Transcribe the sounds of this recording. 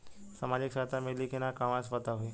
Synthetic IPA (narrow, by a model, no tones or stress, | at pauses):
səmaːd͡ʑɪkʃat̪amelikʰenakaʋãspət̪aɦue